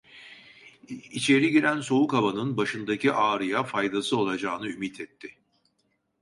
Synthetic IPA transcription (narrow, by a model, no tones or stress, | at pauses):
it͡ʃʰe̞ɾiɟiɾænso̞ukabanɯnbaʃɯnd̪akciʔaːɾɯjafajd̪asɯo̞lˠad͡ʒaːnɯymit̪ʰɛt̪ʰːɪ